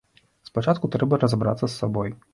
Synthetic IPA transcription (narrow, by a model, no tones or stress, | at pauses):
spat͡ʂat̪kut̪ɾɛbɐɾɐzabɾa̰t̪sːɐsːabɔj